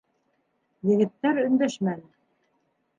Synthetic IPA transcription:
jɘ̆ɣɘ̆t̪ːæɾɵ̆nd̪æʃmæn

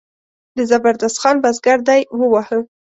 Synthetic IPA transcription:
d̪əzabaɾd̪ast̪xɑnbazɡaɾd̪ajwəwahə

